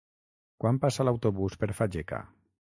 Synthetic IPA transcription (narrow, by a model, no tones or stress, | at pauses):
kwampasalawt̪oβuspeɾfad͡ʒeka̰